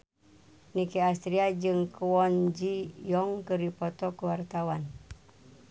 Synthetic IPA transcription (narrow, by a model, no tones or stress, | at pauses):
nikɛast̪ɾiad͡ʒɨŋkwɔnd͡ʒijɔŋkɨɾipɔt̪ɔkuwart̪awan